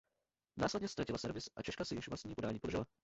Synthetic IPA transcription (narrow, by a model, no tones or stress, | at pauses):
naːslɛdɲɛst̪ɾacɪlasɛɾvɪsʔat͡ʃɛʃkasɛjɪʃvlastɲiːpodaːɲiːpodrʒɪla